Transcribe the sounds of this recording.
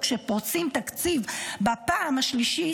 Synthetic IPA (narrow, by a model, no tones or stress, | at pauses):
kʃepot͡simt̪akt͡sivbapaːmhaʃliʃi